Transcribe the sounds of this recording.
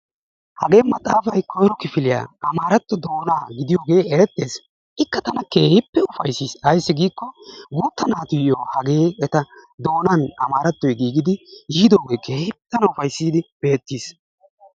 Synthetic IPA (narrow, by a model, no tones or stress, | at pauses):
hɐɡe̞ːmːɐt̪ʼaːfɐjkɔjɾɔkɪfɪlɪja̰ːʔɐmaːɾɐt̪ːɔd̪o̞ːnaːɡɪd̪ɪjoːɡe̞ːɛɾɛt̪ːeːs | ʔɪkːɐt̪ɐnɐke̞ːhɪpːɛʊfɐjsːiːsɐjsːɪɡiːkːɔɡuːt̪ːɐnaːt̪ʊjoːhɐɡe̞ːɛt̪ɐd̪o̞ːnɐnɐmaːɾɐt̪ːɔjɡiːɡɪd̪ɪjiːd̪oːɡe̞ːkʰe̞ːhɪt̪ːɐnɐʊfɐjsːiːd̪ɪb̥e̞ːt̪ːiːs